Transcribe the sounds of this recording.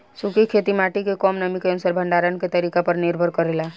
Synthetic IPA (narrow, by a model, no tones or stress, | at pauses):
sukikʰet̪imaʈikekɔmnəmikeənsaɾbʱəɳɖaɾənket̪əɾikapəɾniɾbʱəɾkəɾela